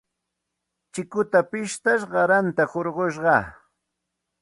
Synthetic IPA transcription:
t͡ʃɪkʊt̪apɪʃt̪aʃɢɑɾant̪ahoɾɢoʃɢɑ

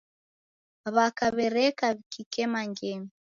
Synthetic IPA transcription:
βakaβɛɾɛkaβikikɛmaŋɡɛmi

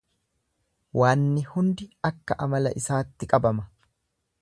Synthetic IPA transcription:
waːnːɪhʊnd̪ɪɐkːɐʔɐmɐlɐ̰ʔɪsaːt̪ːɪkʼɐbɐmɐ

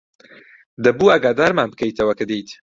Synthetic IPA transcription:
d̪ɐbuːaːɡaːd̪aːɾmaːnb̚kɐjt̪ʰɐwɐkɨd̪ijt̪

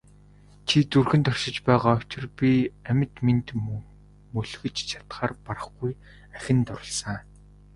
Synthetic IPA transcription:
t͡ɕʰit͡surxɘ̆nt̪ɔrʃɪ̆t͡ɕpæːʁaːɔt͡ɕɪ̆rpʲiæmʲɪ̆t̪mint̪ | mɵɮɣɘ̆t͡ɕt͡ɕʰḁt̪χaːrpaɾə̆χɡuj | æxʲɪ̆nt̪ʊɾɞ̆ɮsə̆ŋ

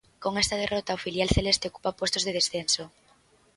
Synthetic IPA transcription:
koŋɛst̪að̞erɔt̪aofiljalθelest̪eoku̥papwost̪ozðeðesθenso

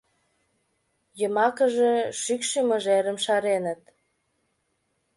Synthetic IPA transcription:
jəmɑkəʒeʃykʃiməʒeɾə̆mʃɑɾenə̆t̪̚

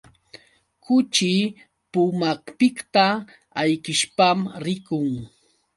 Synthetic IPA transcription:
kʊt͡ʃɪ | pʊmakpɪkt̪a | ajkɪʃpamɾɪkʊŋ

